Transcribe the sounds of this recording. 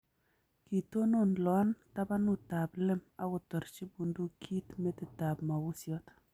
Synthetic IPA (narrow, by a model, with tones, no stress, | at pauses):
ki˨t̪o˦no˦nlɔ˨a˦nta˦ba˦nʊ˦˨ta˨blɪ˦ma˦wʊ˨t̪ɔ˨ɾt͡ʃi˦bu˨ndu˦kʰi˦t̪me˦t̪ɪ˨ta˨bma˨wʊ˦sjɔ˦t̪